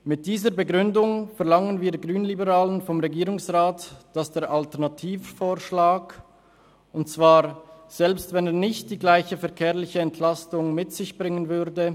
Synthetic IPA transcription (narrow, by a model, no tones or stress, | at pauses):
mɪt̚d̥iːzəbəɡʁʏndʊŋfɛɐʁlaŋənviːɐɡʁyːnlibəʁaːlənfɔmʁeɡiːʁʊŋsʁaːtd̥asd̥eːɐɾʔaltɛɐʁnatʰiːffoːʁʃlaːk | ʊntt͡sv̥aːʁz̥ɛlpstvɛneːɐnɪçt̚d̥iːɡlaɪçəfɛɐkʰeːɐlɪçəɛntʰlastʊŋmɪtz̥ɪçb̥ʁɪŋənvʏʁdə